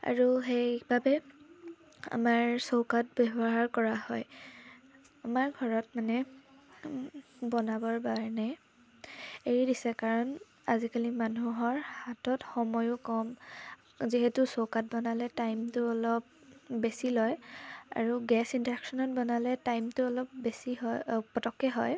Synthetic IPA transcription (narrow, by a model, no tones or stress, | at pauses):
a̰ɹuxebabɛ | a̰maɹsokat̚bɛbɔɦaɹkɔɹahɔj | amaɹɡʱɔɹɔt̚manɛ | bɔnabɔɹbaɹna | eɹidisɛkaɹɔn | azikalimanuɦɔɹhatɔtxɔmɔjʊkɔm | ziɦetʊsowkat̚bɔnalɛtajmtʊɔlɔp̚besilɔja̰ɹuɡɛsintɹɛksɔnɔt̚bɔnalɛtajmtʊɔlɔp̚besiɦɔpɔtɔkːɛɦɔj